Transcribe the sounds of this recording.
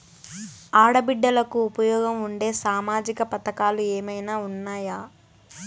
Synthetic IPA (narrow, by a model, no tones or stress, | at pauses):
aːɽɐbiɖːɐlɐkuːpɐjɔːɡɐmuɳɖe̞ːsaːmaːd͡ʒikɐpɐt̪ɐkaːlueːmɐjnaːunːaːjaː